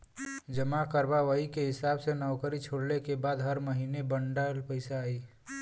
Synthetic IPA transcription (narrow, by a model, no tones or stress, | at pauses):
d͡ʒəmakəɾbaʋəikeɦɪsaːbsenəʊkəɾit͡ʃʰoɽlekebaːd̪ɦəɾməɦiːnebəɳɖalpəɪsaːi